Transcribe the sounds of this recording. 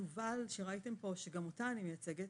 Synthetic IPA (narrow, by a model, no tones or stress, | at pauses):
uvalʃeʁaite̞mpo̞ʃe̞ɡamotaːnimejat͡se̞ɡet